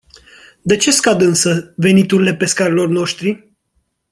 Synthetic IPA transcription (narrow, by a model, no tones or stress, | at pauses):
d̪e̞t͡ʃe̞skad̪ɨnsəve̞nit̪uɾile̞pe̞skaɾelo̞rno̞ʃt̪ɾi